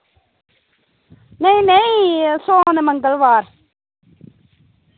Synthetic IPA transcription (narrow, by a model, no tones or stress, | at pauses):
nejnejsoːnemɐŋɡɐlʋaːɾ